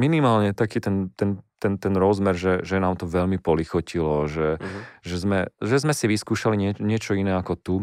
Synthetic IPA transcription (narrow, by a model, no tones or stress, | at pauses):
minimaːlɲɛt̪akiːt̪ɛnt̪ɛnt̪ɛnt̪ɛnɾɔzmɛɾʒɛʒɛnaːmt̪ɔʋɛʎmipɔlixɔcilɔʒɛʒɛzmɛʒɛzmɛsiʋiskuːʃaliɲɪɛɲɪɛt͡ʃɔinɛːakɔt̪u